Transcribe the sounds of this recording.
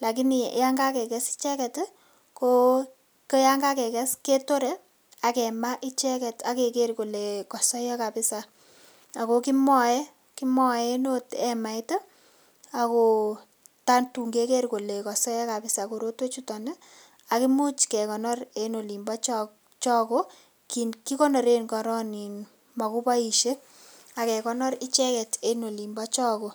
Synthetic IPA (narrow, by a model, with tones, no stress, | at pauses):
la˨k̬i˦ni˨ja˦ŋɡa˦kɛ˨kɛ˦si̥˦t͡ʃɛ˦kɛ˨t | ko˦ | ke˦ja˦ŋɡa˦kɛ˨kɛ˦ske˦to˦ɾɛ | a˨kɛ˨ma˦ʔi˦t͡ʃɛ˦kɛ˨ta˨ke˨ke˦ɾko˨le˨kɔ˨sɔ˦jɔ˦ka˨pɪ˦sa˨ | a˨ko˨ki˦mɔ˦jɛ˦ | ki˦mɔ˨e˦no˦tɛ˨ma˨ito˦ | a˨ko˨ | ta˦ntu˨ŋɡe˦ke˦rko˨le˨kɔ˨sɔ˦jɔ˦ka˨pɪ˦sa˨ko˨ɾo˦twe˦t͡ʃu˦tɔ˨ne˦ | a˨ki˦mu˦t͡ʃkɛ˨kɔ˨nɔ˦re˦no˨li˨mbɔ˦t͡ʃ | t͡ʃɔ˦ko˦ | ki˨nki˦kɔ˦nɔ˨ɾe˦nkɔ˨ɾɔ˦ni˨n | ma˨ku˦pa˦i˨ʃe˦ | a˨kɛ˨kɔ˦nɔ˦ɾɪ˦t͡ʃɛ˦kɛ˨te˦no˨li˨mbɔ˦t͡ʃɔ˦ko˨